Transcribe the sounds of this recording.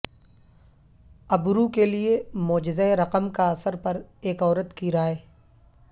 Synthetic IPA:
ɐbɾukeliemɔːd͡ʒɪzaeɾɐqəmkaɐsəɾpɐɾeːkɔːɾət̪kiɾaːeː

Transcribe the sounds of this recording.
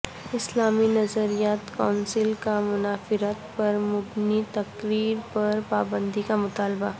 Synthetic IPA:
ɪslaːminɐzəɾijaːt̪kaːnsɪlkamʊnaːfɪɾət̪pɐɾmʊbnit̪ɐkɾiːɾpɐɾpaːbə̃nd̪ikamʊt̪aːlba

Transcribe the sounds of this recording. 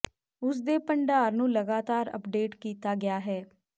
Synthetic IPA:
ʊs̬d̪eːpəɳɖaːɾnũːləɡaːt̪aːɾə̰pɖeːʈkiːt̪aːɡɪjaːɦɛː

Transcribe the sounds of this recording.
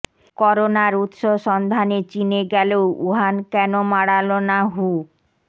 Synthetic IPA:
kɔɾonaɾut̪ʃoʃɔnd̪ʱanet͡ɕineɡɛleouɦankɛnomaɽalonaɦu

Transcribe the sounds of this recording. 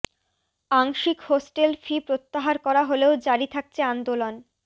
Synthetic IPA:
aŋʃikhosʈelfʰipɾot̪ːaɦaɾkɔɾaɦoleod͡ʑaɾit̪ʰak̚t͡ɕʰeand̪olon

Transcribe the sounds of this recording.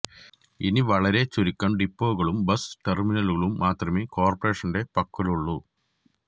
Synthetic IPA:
iniʋɐɭɐɾe̞t͡ɕuɾikʲːɐɳɖipːoːɣɐɭumbɐsʈerminɐluɣɐɭumːaːt̪rɐmeko̞ːrpɐre̞ːʂɐnde̞pɐkːɐluɭːu

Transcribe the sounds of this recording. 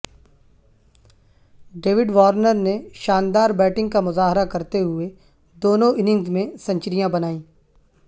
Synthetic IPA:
ɖeːʋɪɖʋaːɾnəɾneʃaːnd̪aːɾbɛːʈɪ̃ŋɡ̚kamʊzaːɦɾakɐɾt̪eɦʊe | d̪oːnõʔɪnɪ̃ŋɡzmẽsɐ̃ɲt͡ʃɾijãbɐnaːĩː

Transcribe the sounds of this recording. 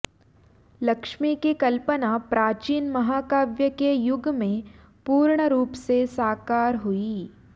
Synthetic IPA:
lɐkʃmikikɐlpənapɾaːt͡ʃiːnmɐɦaːkaːʋjəkejʊɡmẽ | puːɾɳəɾuːpsesaːkaːɾɦʊi

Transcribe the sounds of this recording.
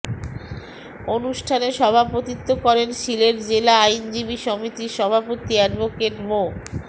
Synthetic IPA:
onuʃʈʰaneʃɔbʱapot̪it̪ːokɔɾenʃileɾd͡ʑelaajnd͡ʑibiʃomit̪iʃɔbʱapot̪iaɖbokeʈmo

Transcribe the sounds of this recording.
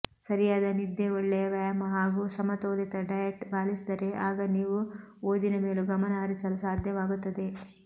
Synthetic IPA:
sɐɾijaːd̪ɐnid̪ːeoɭːejɐʋɐjɐmɐɦaːɡusɐmɐt̪oːlit̪ɐɖɐjeʈbʱaːlisid̪ɐɾeʔaːɡɐniːʋuoːd̪inɐmeːluɡɐmɐnɐɦɐɾisɐlusaːd̪ʱjɐʋaːɡut̪ːɐd̪e̞

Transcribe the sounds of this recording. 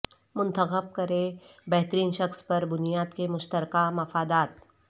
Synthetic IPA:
mʊ̃nt̪əxəb̚kɐɾebɛɦt̪ɾiːnʃɐxspɐɾbʊnijaːd̪kemʊʃt̪əɾkamɐfaːd̪aːt̪̚

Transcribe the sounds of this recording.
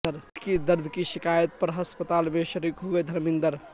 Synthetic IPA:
əɾkid̪əɾd̪ʱkiʃikajət̪̚pəɾɦəspət̪aːlmẽʃəɾikɦoɡəd̪ʱəɾmĩnd̪əɾ

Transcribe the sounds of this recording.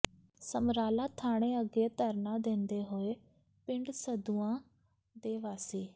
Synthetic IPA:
səmɾaːlaːt̪ʰaːɽ̃ẽːəɡeːt̪əɾnãːd̪ẽːnd̪eːɦoːeː | pɪ̃ɳɖsəd̪uãː | d̪eːʋaːsiː

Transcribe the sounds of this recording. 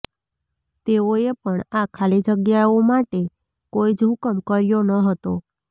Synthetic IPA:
t̪eoepəɳakʰalid͡ʒəɡjaomaʈe | koid͡ʒɦʊkəmkəɾjonəɦət̪o

